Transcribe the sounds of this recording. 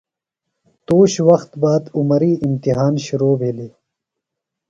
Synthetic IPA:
t̪oːɕwɐxt̪baːd̪umɐɾiːimt̪iɦaːnɕuɾoːbʱeːliː

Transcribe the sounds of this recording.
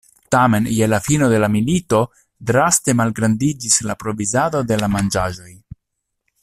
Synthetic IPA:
tame̞njelafino̞de̞lamilito̞ | dɾaste̞malɡɾandid͡ʒislapɾo̞vizado̞de̞lamand͡ʒaʒo̞j

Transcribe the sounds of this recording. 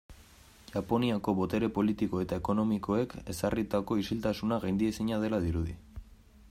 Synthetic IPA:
ʝapo̞niako̞βo̞t̪e̞ɾe̞po̞lit̪iko̞e̞t̪ae̞ko̞no̞miko̞e̞ke̞sarit̪ako̞isilt̪asunaɣajnd̪iesiɲað̞e̞laðiɾuðḭ

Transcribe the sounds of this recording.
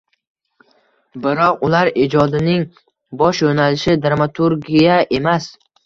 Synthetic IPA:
bɪɾɒqʊlaɾed͡ʒɒd̪ɪnɪŋ | bɒʃjonalɪʃɪd̪ɾamat̪ʰuɾɡʲijaʔe̞mas

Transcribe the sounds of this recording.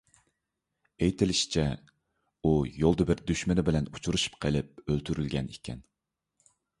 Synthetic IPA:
ejt̪ʰɪlɪʃi̥t͡ʃʰɛ | ujolˠd̪ɨbɪɾd̪yʃmɪnɪbɪlɛnut͡ʃʰuɾuʃu̥pqʰəlɪp̚ølt̪ʰyɾylɡʲɛnikʲʰɛ̰n

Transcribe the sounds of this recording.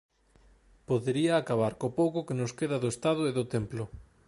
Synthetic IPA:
poðeɾiaːkaβ̞aɾkopowkʊkenʊskeðaðoest̪aðoeðʊt̪emplʊ

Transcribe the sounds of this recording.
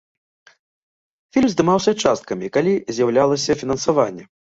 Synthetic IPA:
fʲilʲmzd̪ɨmawsʲɐt͡ʂast̪̚kɐmʲikalʲizʲjawlʲalˠɐsʲɐfʲinɐnsavanʲːɛ

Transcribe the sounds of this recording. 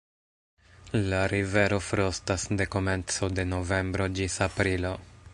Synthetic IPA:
laɾive̞ɾo̞fɾo̞stasde̞ko̞me̞nt͡so̞de̞no̞ve̞mbɾo̞d͡ʒisapɾilo̞

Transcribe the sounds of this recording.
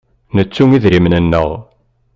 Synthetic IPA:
nət͡sːuŋiðɾimnənːəʁ

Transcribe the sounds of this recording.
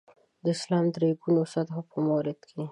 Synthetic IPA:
d̪əɪslɑmd̪ɾeɡunosat̪xopəmawɾɪd̪kʰe

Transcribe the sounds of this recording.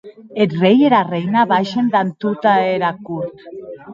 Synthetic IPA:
et̪rejeɾarejnaβaʃend̪ant̪ut̪aeɾakuɾt̪

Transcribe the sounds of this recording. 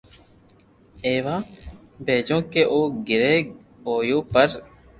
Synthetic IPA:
eːʋaː | beːd͡ʒõːkeːʔoːɡɪɾeː | ɦoːjõːpəɾ

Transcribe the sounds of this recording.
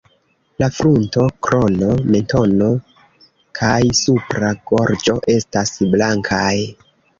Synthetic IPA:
lafɾunto̞kɾo̞no̞me̞nto̞no̞ | kʰajsupɾaɡ̥o̞ɾd͡ʒo̞ʔe̞stasblaŋkʰaj

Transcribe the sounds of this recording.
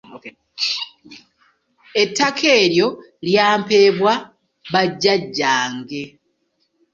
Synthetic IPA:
etʰːakʰe̞ːɾjo̞ | ljaːmpe̞ːβwa | βaɟːaɟːaːŋɡe̞

